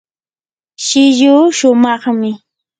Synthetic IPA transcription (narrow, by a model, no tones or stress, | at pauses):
ʃɪjuːʃʊmɑχmɪ